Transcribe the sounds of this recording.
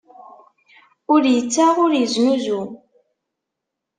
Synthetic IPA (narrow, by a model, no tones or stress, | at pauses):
ʊɾjət͡sːaʁʊɾəznuzu